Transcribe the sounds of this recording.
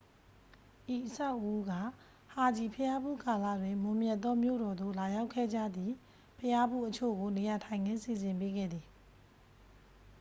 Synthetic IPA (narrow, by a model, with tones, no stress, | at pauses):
ʔi˨ʔəsa˦ʊʔu˦ɡa̰˦˨ | ha˨d͡ʑi˨pʰəja˦bṵ˦˨ka˨lä̰˦˨dwɪ̃˨mʊ̃˨mjɛ˦ʔt̪ːɔ˦mjo̰˦˨ɾɔ˨d̪o̰˦˨la˨ja˦ʊkʰːɛ̰˦˨d͡ʑa̰˦˨d̪ði˨ | pʰəja˦bṵ˦˨ʔət͡ɕʰo̰˦˨ɡo˨ne˨ja˨tʰã˨ɪ̃ŋɡɪ̃˦nsi˨zɪ̃˨mpe˦ɡɛ̰˦˨d̪ði˨